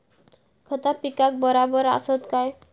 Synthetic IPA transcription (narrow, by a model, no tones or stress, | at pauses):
kʰɔt̪apikak̚bɔɾabɔɾa̰sɔt̪kaj